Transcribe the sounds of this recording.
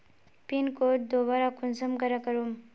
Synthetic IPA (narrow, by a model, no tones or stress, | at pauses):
pinkoʈ̚d̪oβaɾakunsəmkəɾakəɾum